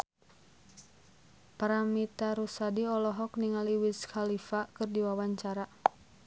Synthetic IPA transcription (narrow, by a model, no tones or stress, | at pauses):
paɾamit̪aɾusadiɔlɔɦɔk̚niŋaliwiskʰalifakɨrdiwawaɲt͡ʃaɾa